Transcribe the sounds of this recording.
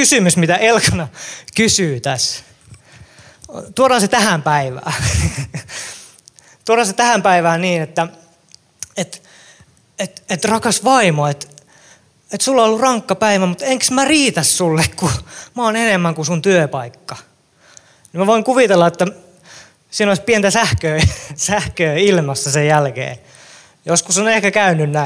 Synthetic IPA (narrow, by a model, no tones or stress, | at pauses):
kysymysmit̪æʔelkɑnɑkysyːt̪æs | t̪uorɑːset̪æhæmpæiʋæ̰ː | t̪uorhɑːset̪æhæmpæiʋæːniːnet̪ːæ | et̪ | et̪et̪rɑkɑsʋɑimoet̪ | et̪sulːoolːurɑŋkːɑpæiʋæmut̪eŋksmæriːt̪æssulːekkumɑoːnenemːæŋkusunt̪yøpɑikːɑ | nimæʋoiŋkuʋit̪elːɑet̪ːæ | siːnoispient̪æsæhkøːsæhkøːilmɑsːæsejjælkḛː | joskusonehkækæynynːæ